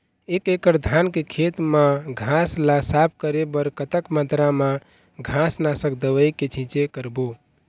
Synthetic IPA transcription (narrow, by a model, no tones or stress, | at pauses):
ekekəɾd̪ʱankekʰet̪mãɡʱãslasap̚ʰkəɾebəɾkət̪əkmat̪ɾamã | ɡʱãsnasəkd̪əʋəjket͡ʃʰĩt͡ʃekəɾbo